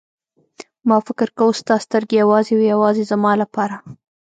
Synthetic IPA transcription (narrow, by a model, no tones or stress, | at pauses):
mɑfɪkɪɾkawust̪ɑst̪əɾɡejawɑzewijawɑzezamɑlapɑɾa